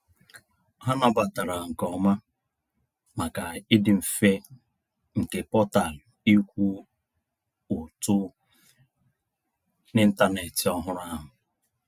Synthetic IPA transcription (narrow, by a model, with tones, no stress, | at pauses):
ɦa˦na˦ba˨ta˨ɾa˨ŋ̩˨kɔ˨ma˦ | ma˨ka˨ɪ˦dɪ˨m̩˨fe˦ | ŋ̩˨ke˨pɔ˦ta˨l | i˦kʷu˦ | ʊ˨tʊ˦ | nɪ˦n̩˦ta˦ne˨ti˨ɔ˦ɦʊ˦ɾa˦ɦʊ˨